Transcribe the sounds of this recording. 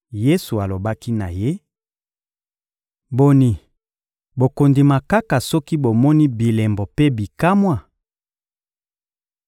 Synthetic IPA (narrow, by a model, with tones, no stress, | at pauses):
je˦su˨a˨lo˨ba˦ki˦na˨je˦ | bo˨ni˨ | bo˨ko˨ndi˨ma˨ka˦ka˨sɔ˦ki˦bo˨mɔ˦ni˦bi˨lɛ˨mbo˨pe˦bi˨ka˦mwa˨